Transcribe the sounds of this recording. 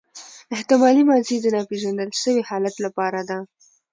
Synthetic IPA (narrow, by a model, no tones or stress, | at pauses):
ɪht̪ɪmɑlimɑzid̪ənɑpeʒand̪əlʃəwehɑlat̪lapɑɾad̪a